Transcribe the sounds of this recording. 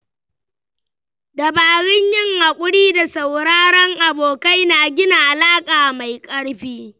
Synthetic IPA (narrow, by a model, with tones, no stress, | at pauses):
dɐ˨baː˨ɽɪ˦ɲjɪ˦ŋha˨kʷʼʊ˦ɽiː˦da˨sɐ˨wɽaː˦ɽɐ˦ŋʔa˨boː˨ka˦jnaː˨ɡʲɪ˦na˨ʔa˨laː˦kʼaː˨ma˨jkʼɐ˦ɽɸiː˦